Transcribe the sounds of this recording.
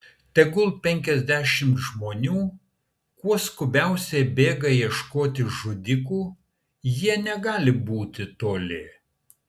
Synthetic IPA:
t̪ʲɛɡʊlˠpʲɛŋʲkʲɛzʲd̪ʲæːʃʲɪmt̪ʒmoːnʲuː | kuɔskʊbʲɛˑʊsʲɛbʲeːɡɐjiɛʃkoːt̪ʲɪʒʊd̪ʲɪkuː | jiɛnʲɛɡɑːlʲɪbuːt̪ʲɪt̪oːlʲɪ

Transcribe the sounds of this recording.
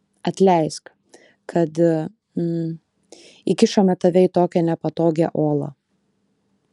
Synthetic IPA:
ɐt̪ʲlʲɛɪsk | kʰɐt̪ | ɪkʲɪʃɐmʲɛt̪ɐʋʲɛɪt̪oːkʲɛnʲɛpɐt̪oːɡʲɛʔoːlˠɐ̰

